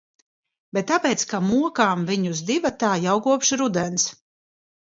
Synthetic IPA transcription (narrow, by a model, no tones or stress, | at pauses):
bɛt̪ːapɛːt̪skamuɔkaːmviɲuzd̪ivat̪aːjawɡuɔpʃiɾud̪ɛns